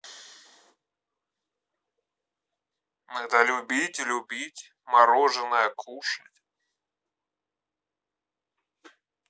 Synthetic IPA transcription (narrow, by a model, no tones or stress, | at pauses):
nɛt̪əlʲʊbʲitʲlʲʊbʲitʲ | mɐɾoʐɨnəjəkʰuʂətʲ